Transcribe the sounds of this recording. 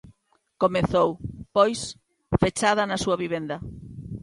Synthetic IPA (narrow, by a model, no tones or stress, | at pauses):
komeθowpojs | fet͡ʃað̞ɐnɐsuɐβiβ̞end̪ɐ